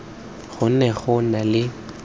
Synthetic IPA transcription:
ɣʊnɛɣʊnalɪ

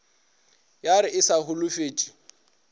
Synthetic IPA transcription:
jaɾɪʔɪsahʊlʊfeːt͡ʃʼi̥

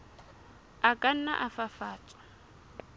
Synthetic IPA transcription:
akʼan̩na̰ʔafafaːt͡sʼɔ̥

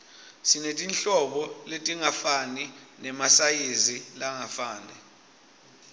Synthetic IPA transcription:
sinetʼinɬɔɓɔletʼiŋafaninɛmasajezilaŋafaːnɛ

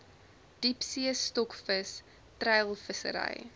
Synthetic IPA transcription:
d̥ipsiəstɔkfəs | trɛjlˠfəsə̰ɾɐ̰j

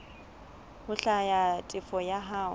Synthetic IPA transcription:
hʊɬajatʼɪfɔjaɦaːʊ

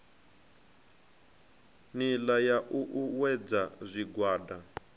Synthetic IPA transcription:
nilajaʔuʔuwɛd͡zazʷiɡwaːda

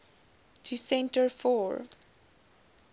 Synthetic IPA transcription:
tʰusɛ̃ntəɹfɔɹ

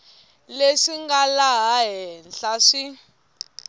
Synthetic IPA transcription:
leʂiŋɡalaɦaɦɛnɬaʂi

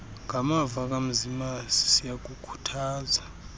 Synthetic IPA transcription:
ŋʱamavak̬ʼam̩zimasi̥sijak̬ʼukʰu̥tʰaːza

